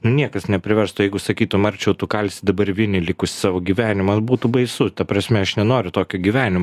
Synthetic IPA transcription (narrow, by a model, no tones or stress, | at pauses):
nʊnʲiɛkɐsnʲɛpʲɾʲɪʋʲɛɾst̪ʊjɛɪɡʊsɐkʲiːt̪ʊmɐɾʲt͡ʃʲɛʊt̪ʊkɐlʲsʲɪd̪ɐbɐɾʲʋʲɪnʲɪlʲɪkʊsʲsɑːʋoːɡʲiːʋʲæːnʲɪmɐbuːt̪ubɐɪsʊt̪ɐpɾɐsʲmʲɛɐʃnʲɛnoːɾʲʊt̪oːkʲʊɡʲiːʋʲæːnʲɪmo